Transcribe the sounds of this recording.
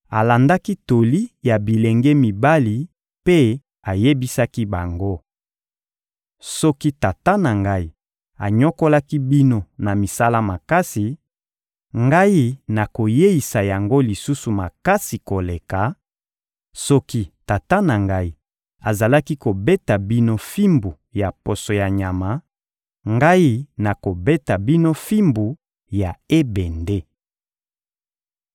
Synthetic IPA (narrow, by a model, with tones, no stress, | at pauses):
a˨la˨nda˦ki˦to˨li˦ja˨bi˨le˨ŋɡe˦mi˨ba˦li˨ | pe˦ | a˨je˦bi˦sa˦ki˦ba˨ŋɡo˦ | sɔ˦ki˦ta˨ta˦na˨ŋɡa˦i˦ | a̰˨ɲɔ˦ko˦la˦ki˦bi˦no˦na˨mi˨sa˦la˦ma˨ka˦si˨ | ŋɡa˦ji˦na˨ko˨je˦i˨sa˨ja˨ŋɡo˦li˨su˦su˨ma˨ka˦si˨ko˨le˨ka˨ | sɔ˦ki˦ta˨ta˦na˨ŋɡa˦i˦ | a˨za˨la˦ki˦ko˨be˦ta˨bi˦no˦fi˦mbu˨ | ja˨po˨so˨ja˨ɲa˨ma˨˦ | ŋɡa˦ji˦na˨ko˨be˦ta˨bi˦no˦fi˦mbu˨ | ja˨e˦bɛ˨nde˦